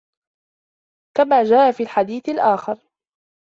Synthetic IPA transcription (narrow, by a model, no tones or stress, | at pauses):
kamaːd͡ʒaːʔafiːlħad̪iːθalʔaːxɪɾ